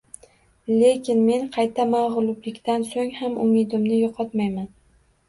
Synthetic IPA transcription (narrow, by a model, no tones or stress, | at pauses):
le̞kʲɪnme̞nqʰɑjt̪ʰamaʁlˠʊblɪkʲt̪ansoŋhamʊmɪd̪ɪmnɪjɒqʰɒt̪majman